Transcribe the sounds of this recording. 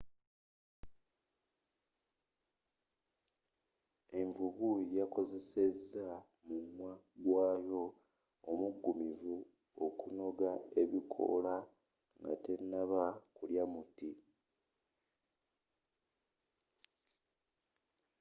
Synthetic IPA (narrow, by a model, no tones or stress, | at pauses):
e̞ɱvuβujako̞ze̞se̞zːa | mumwa | ɡwaːjo̞ | omuɡːumivu | o̞kuno̞ɡae̞βikʰo̞̰la | ŋɡa̰te̞nːaβakuljamuti